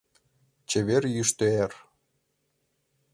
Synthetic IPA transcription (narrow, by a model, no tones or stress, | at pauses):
t͡ɕeβerjyʃt̪øer